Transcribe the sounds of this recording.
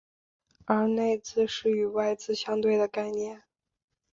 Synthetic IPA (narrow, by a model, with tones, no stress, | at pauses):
ə˞˧˥ne˥˧ɪt͡sɹ̩˥˧ʂɻ̩˥˩y˨˩wa˥˧ɪt͡sɹ̩˥˧ɕjɑ˥ŋt̪we˥˩ɪd̪ə˩ka˥˧ɪnjɛ˥˩n